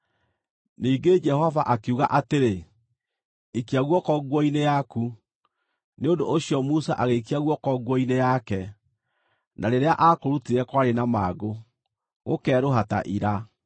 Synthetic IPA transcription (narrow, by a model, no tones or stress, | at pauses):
niːɡed͡ʒɛhɔvaʔakeuɣaʔateɾe | ikiaɣwɔkɔɡwɔinejaku | neondoʔːɕiɔmusaʔaɣekiaɣwɔkɔɡwɔinejakɛ | nʔaɾeɾeaʔakoɾutiɾɛkwaɾenamaːɡo | ɣo̰kɛːɾoɦata̰ʔiɾa